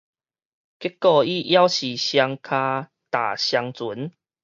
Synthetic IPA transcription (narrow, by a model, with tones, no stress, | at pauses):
ki˦˥kːɔ˧i˦˧ʔja˦wɕi˨˩ɕja˧ŋkʰa˧ | t̪a̰˨˩ɕja˧ŋt͡su˨˦n